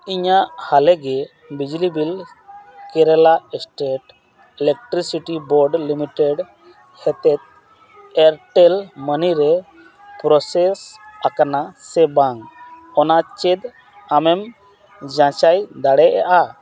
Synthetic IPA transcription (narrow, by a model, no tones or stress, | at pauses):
iɲaʔhalɛɡɛ | bid͡ʒlibil | kɛɾɛlaɛsʈeʈ | ɛlɛk̚ʈɾisiʈibɔɾɖlimiʈɛɖ | hɛt̪ɛt̪̚ | ɛɾʈɛlməniɾɛ | pɾɔsɛsakanasɛbaŋɔnat͡ʃɛd̪ | amɛm | d͡ʒãt͡ʃajd̪aɽɛʔa̰ʔa